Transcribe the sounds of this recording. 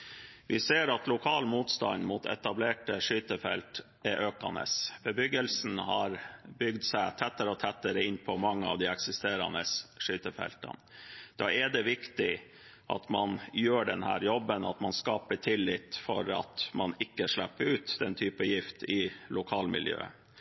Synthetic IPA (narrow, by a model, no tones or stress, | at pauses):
ʋɪseːɾɑt̪lʊkʰɑːlmuːt̪st̪ɑ̰nmuːt̪ʰɛ̰t̪ɑbleːʈəʂyːt̪əfɛ̰lt̪ | ɛʔøːkɑnə̰sbəbʏɡəlsn̩hɑɾbʏɡd̪sæɪt̪ʰɛt̪ːəɾəɔt̪ʰɛt̪ːəɾəɪnpʰɔmɑŋːəɑ̰ʋd̪ɪɛksɪst̪eːɾɑ̰nəsʂyːt̪əfɛ̰lt̪ɑ̰nd̪̥ɑːɛɖ̪ɛʋɪkt̪ɪ | ʔɑ̰t̪mɑnjøːɖɛnhæ̰ːɾjɔbːənɑt̪mɑnskɑːpəʈʰɪlːɪt̪fɔɾɑ̰t̪mɑnɪkːəʂɭæpːəɾʉːt̪d̪ɛnt̪ʰyːpəjɪft̪ɪlʊkʰɑːlmɪ̰ljø̰ːə